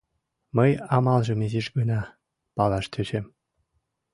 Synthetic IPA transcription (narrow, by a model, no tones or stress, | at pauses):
məjɑmɑlˠʒɤ̆miziʃɡɤ̆nɑ | pɑlɑʃt̪ʲʰøt͡ɕem